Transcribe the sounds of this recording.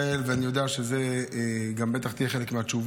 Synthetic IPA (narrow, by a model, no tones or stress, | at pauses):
elveanijo̞d̪eaʃezeɡambe̞t̪aχt̪ijeχe̞lekmeat͡ʃuv